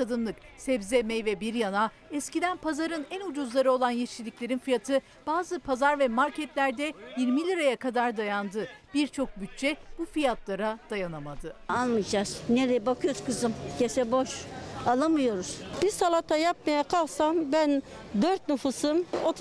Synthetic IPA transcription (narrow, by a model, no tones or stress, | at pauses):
ad̪ɯmlˠɯksɛbzɛmɛjvɛbiɾjana | ɛscid̪ænpʰazaɾɯnænud͡ʒuzlˠaɾɯo̞lˠanjeʃilʲiclʲe̞ɾinfijat̪ʰɯ | b̥aːzɯpʰazaɾvɛmaɾcɛt̪lʲæɾd̪ɛjiɾmilʲiɾajakʰad̪aɾd̪ajand̪ɯb̥iɾt͡ʃʰo̞k̚byt͡ʃ̚t͡ʃːɛb̥ufijat̪lˠaɾad̪̥ajanamad̪ɯalˠmɯd͡ʒazneɾɛbakʰɯjozkʰɯzɯmɟ̥esɛboʃalˠamɯjoɾuz̥b̥iɾsalˠat̪ʰajap̚majakʰalˠsambæn | d̪øɾt̪̚nɯfusɯmot̪